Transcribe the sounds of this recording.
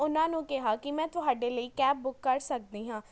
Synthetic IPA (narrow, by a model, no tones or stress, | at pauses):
ʊnãːnũːkɪɦaːkɪmɛ̃ːt̪ʊɦaːɖeːləiːkɛːp̚bʊkːəɾsək̚d̪eːɦãː